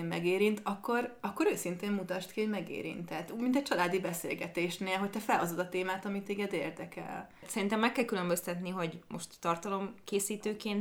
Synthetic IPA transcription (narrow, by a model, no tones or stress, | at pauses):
mmɛɡeːɾint̪ɒkːo̞rɒkːo̞ɾøːsint̪eːmmut̪ɒʃt̪kiho̞ɟmɛɡḛːɾḭnt̪ɛt̪umint̪ɛct͡ʃɒlaːd̪ibɛsḛːlɡɛt̪eːʃneːlɦoc̚t̪ɛfɛlho̞zod̪ɒt̪eːmaːt̪ɒmit̪eːɡɛd̪eːrd̪ɛkɛ̰l | t̪sɛɾint̪ɛmːɛkːɛlkylømbø̞st̪ɛt̪niɦo̞ɟmʔo̞ʃt̪ːɒrt̪ɒlo̞mkeːsiːt̪øːkeːnt̪